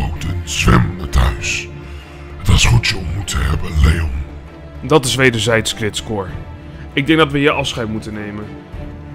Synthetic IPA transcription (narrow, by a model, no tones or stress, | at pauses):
owtənzʋɛ̰mnətɦœ̰ɥs | dɑɪsχutjəɔmmutəɦɛbənlejɔn | dɑtɪsʋejdəɹzɛjtskrɪtskʊːɹ | ɪɡ̚dɛŋɡdɑtʋəjəʔɑfsχɛjtmutənejmən